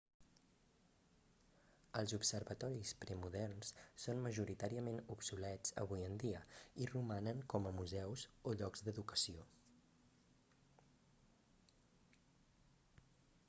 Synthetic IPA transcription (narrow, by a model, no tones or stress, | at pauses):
əlˠzupsəɾβət̪ɔɾispɾəmuðɛrnssːonməʒuɾit̪aɾiəmenupsulɛd͡zə̰β̞ujənd̪iəirumanəŋkɔməmuzɛwzoʎɔɡzd̪əðukə̥sio